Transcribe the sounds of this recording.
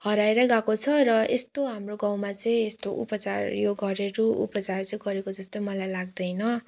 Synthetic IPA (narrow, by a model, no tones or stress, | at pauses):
ɦʌɾaeɾʌɡakot͡sʰʌrʌest̪oɦamroɡawmat͡sʌĩest̪oʔṵpʌt͡sarjoɡʌɾeɾuṵpʌt͡sart͡sʌĩɡʌɾekod͡zʌst̪ojmʌlajlaɡd̪ʌjnʌ